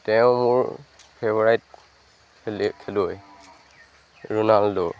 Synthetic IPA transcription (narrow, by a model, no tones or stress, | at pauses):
tɛʊ̃mʊɹ | pʰɛbɔɹajt̚ | kʰɛluj | ɹunaldɔ̰